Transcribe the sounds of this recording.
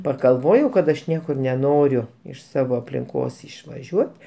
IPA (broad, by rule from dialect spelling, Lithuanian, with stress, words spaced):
pɐɡɐlˠˈʋoːjɛʊ kɐt ɐʃ ˈnʲiɛkʊr nʲɛˈnoːrʲʊ ɪʃ ˈsɑːʋoː ɐpʲlʲɪŋˈkoːs ɪʃʋɐˈʒʲuɔt